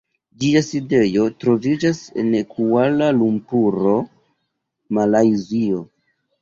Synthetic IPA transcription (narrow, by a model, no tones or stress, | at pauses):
d͡ʒiaside̞jo̞tɾo̞vid͡ʒase̞̰nekʰualalumpuɾo̞ | malajzio̞